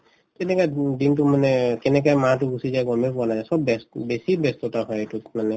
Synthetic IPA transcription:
kɛnɛkajdintumanɛkɛnɛk̬ajmatʊɡusizajɡɔmepɔnazajsɔbbɛstbesibɛstɔtaɦɔjetumanɛ

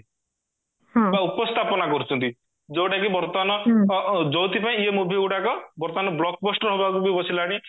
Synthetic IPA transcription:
baupɔst̪ʰapɔnakɔɾut͡ʃʰɔnt̪i | d͡ʒowʈakibɔɾt̪ɔanɔ | d͡ʒɔt̪ipaĩiemubʱiuʈakɔbɔɾt̪ɔanɔblɔk̚bɔsʈɔɾɦobakubibɔsilaɽ̃i

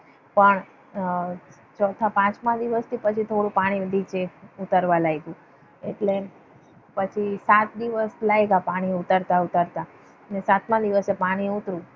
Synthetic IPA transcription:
pəɳ | t͡ʃʰɔt̪ʰapãt͡ʃmãd̪iʋəst̪ʰipət͡ʃʰit̪ʰoɽũpaɽ̃id̪it͡ʃeut̪əɾʋalajɡũ | eʈle | pət͡ʃʰisat̪̚d̪iʋəslajɡapaɽ̃iut̪əɾt̪aut̪əɾt̪a | nesat̪mãd̪iʋəsepaɽ̃iut̪ɾũ

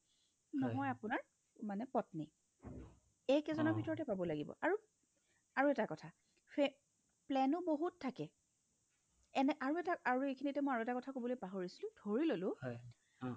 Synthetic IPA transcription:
nɔɦɔjapʊnaɹ | manɛpɔtni | ejkɛzɔnɔbʱitɔɹɔtɛpabɔlaɡibɔ̰ʔaɹu | aɹuɛtakɔtʰa | pɛ | plɛnʊboɦuttʰːakɛ | ɛnɛʔaɹuɛtaaɹuekʰinitɛmɔjaɹuɛtakɔtʰakobɔlojpaɦoɹisilʊ̃dʱoɹilolʊ̃

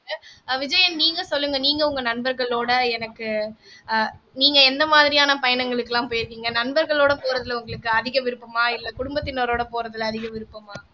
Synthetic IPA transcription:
ʋɪd͡ʒɐjɐnniːŋɡɐsɔlːɯŋɡɐniːŋɡɐʊŋɡɐnɐnbɐɾɣɐɭoːɽɐɛnɐkːɯ | niːŋɡɐɛnd̪ɐmaːðɪɾɪjaːnɐpɐjɐnɐŋɡɐɭɯkːɯlãːpoːjɪɾɯkːiːŋɡɐnɐnbɐɾɣɐɭoːɽɐpoːɾɐðɯlʊŋɡɐɭɯkːɯɐðɪɣɐʋɪɾɯpːɯmaːɪlːɐkʊɽʊmbɐt̪ːɪnoːɾoːɽɐpoːɾɐðɯlɐðɪɣɐʋɪɾɯpːɯmaː

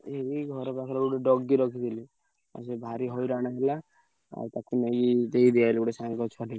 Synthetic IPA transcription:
eɦiɡʱɔɾɔpakʰlauɽeɖɔɡːiɾɔkʰit̪ʰili | a̰sebʱaɾiɦɔjɾaɽ̃aɦela | a̰t̪akunejid̪eid̪ialiuɽesankɔt͡ʃʰɔʈi

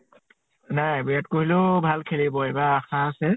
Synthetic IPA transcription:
najbijat̚koɦilʊbʱalkʰelibɔɛbaaxaːsɛ

